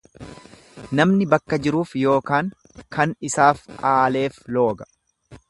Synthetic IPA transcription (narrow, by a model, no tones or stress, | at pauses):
nɐmnɪbɐkːɐd͡ʒɪɾuːfjo̞ːkaːŋ | kɐnɪsaːfʔaːle̞ːflo̞ːɡɐ̥